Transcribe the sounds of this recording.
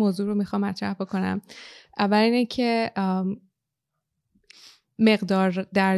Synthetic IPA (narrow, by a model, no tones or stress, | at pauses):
moːzuːɾomixɒːmːæt̪ʰɾæ̰hbo̞kʰo̞næ̰mʔævːæliːnecʰe̞ | me̞ɣd̪ɒːɾd̪æɾ